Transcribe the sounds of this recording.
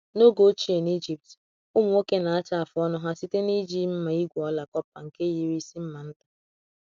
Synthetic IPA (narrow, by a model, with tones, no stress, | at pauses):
no˦ɡo˦t͡ʃi˦e˨ni˦d͡ʒi˨p̚t | ʊ˦mu˨˦o˦ke˦na˨a˦t͡ʃa˦a˨fɔ˦nɔ˦ɦa˦si˦te˦ni˦d͡ʒi˦m̩˦ma˨i˦ɡʷɔ˦la˨kɔ˦pa̰˨ŋ̩˨ke˦ji˦ɾi˦si˦m̩˦ma˨n̩˦tḁ˨